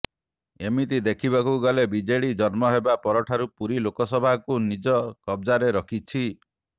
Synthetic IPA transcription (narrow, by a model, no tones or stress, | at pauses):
emit̪id̪ekʰibakuɡalebid͡ʒeɭid͡ʒɔɾmɔɦebapɔɾɔʈʰaɾupuɾilokɔsɔbʱakunid͡ʒɔkɔbd͡ʒaɾeɾɔkʰit͡ʃʰi